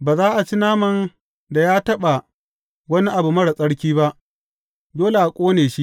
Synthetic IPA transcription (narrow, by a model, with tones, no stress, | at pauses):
baː˨zaː˦ʔa˨t͡ʃi˦naː˦mɐ˨n | da˨jaː˦tɐ˦ɓa˨ | wɐ˦ni˦ʔa˨bu˨mɐ˦ɽa˨sʼɐ˦ɽkʲiː˦ba˦ʔ | doː˦le˨ʔa˨kʷʼoː˦neː˨ʃi˦ʔ